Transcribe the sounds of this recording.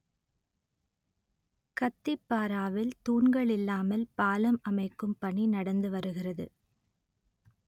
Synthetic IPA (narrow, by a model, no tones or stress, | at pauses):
kɐt̪ːɪpːaːɾaːʋɪlt̪uːɳɡɐɭɪlːaːmɐlpaːlɐmɐmɐɪkːɯmpɐɳinɐɽɐnd̪ɯʋɐɾɯɣɪrɐðɯ̰